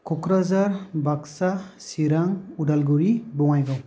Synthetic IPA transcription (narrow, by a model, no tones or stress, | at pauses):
kʰɔkɾazaɹbaksasiɾaŋudalɡuɹibɔŋajɡaw